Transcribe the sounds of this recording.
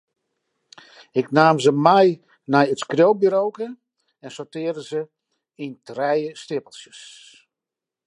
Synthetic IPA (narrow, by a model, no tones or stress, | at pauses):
ɪknaːmzəmɛj | nɛjətskrjowbiɾowkə | ɛnsortɪərdəzə | intrɛjəstɪpəlˠsjəs